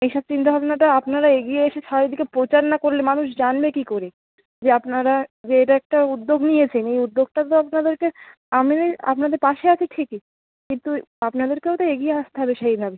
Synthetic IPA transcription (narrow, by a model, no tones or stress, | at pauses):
ejʃɔb̚t͡ɕint̪abʱabonaʈaapnaɾaeɡijeeʃeʃaid̪ikepɾot͡ɕaɾnakoɾlemanuʃd͡ʑanbekikoɾe | d͡ʑeapnaɾad͡ʑeeʈaɛk̚ʈaud̪ːoɡnijet͡ɕʰenejud̪ːoɡ̚ʈat̪oapnad̪eɾke | amia̰pnad̪eɾpaʃeat͡ɕʰeʈʰiki | kint̪uapnad̪eɾkeot̪oeɡijeaʃt̪eɦɔbeʃejbʱabe